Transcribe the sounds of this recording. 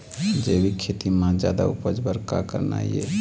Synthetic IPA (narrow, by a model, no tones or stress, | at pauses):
d͡ʒebʱikʰet̪imãd͡ʒad̪a̰upəd͡ʒbəɾkakəɾna̰ie